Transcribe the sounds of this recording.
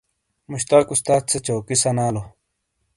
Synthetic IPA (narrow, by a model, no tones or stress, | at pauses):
muɕt̪aːkust̪aːt̪̚t͡sʰet͡ɕoːkisɐnaːlo